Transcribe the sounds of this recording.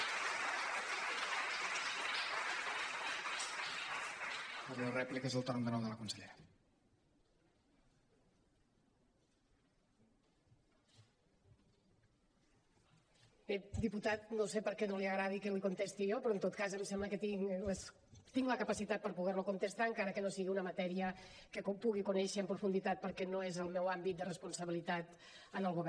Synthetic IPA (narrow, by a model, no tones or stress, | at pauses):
əɾlərɛplikəzəlˠt̪oɾnd̪ənɔwðələkunsəʎḛɾə | bed̪iput̪at̪̚nosepəɾkɛnoliəɣɾað̞ikɛlikunt̪est̪iopɾɔənt̪ot̪̚kazəmsɛmbləkət̪iŋləs | t̪iŋɡləkəpəsit̪at̪̚pəɾpuɣɛɾlukunt̪əst̪aəŋkaɾəkənosiɣiunəmat̪ɛɾiə | kəkpuɣikunɛʃəːmpɾufund̪it̪at̪̚pəɾkɛnoezəlˠmɛwambit̪d̪ərəspunsəβilit̪at̪ | ənalˠɣuβ